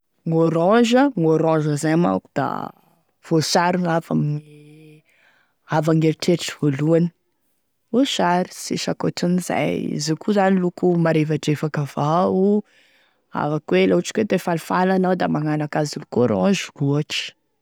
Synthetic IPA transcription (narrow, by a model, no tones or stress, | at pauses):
ŋoɾɔ̃ʒəŋoɾɔ̃ʒəzajama̰ku̥d̪̥a̰ | v̥osaɾunava̰mni | avaŋelʈ͡ʂeʈ͡ʂi̥voluani̥ | oʃaɾi̥siʃakoʈ͡ʂuniza̰jḭzekʰuzanilukumaɾevaɖ͡ʐefakavau | a̰vakweloaʈ͡ʂi̥kwed̪efalifalanawd̪amaŋanakaziluɡoɾɔ̰̃ʒkuaʈ͡ʂi̥